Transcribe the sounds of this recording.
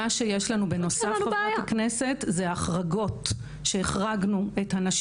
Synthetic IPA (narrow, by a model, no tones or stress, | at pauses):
aʃejeʃlanubeno̞safbaknese̞tzeaːχʁaɡo̞t | ʃe̞eχʁaɡnue̞thanaʃ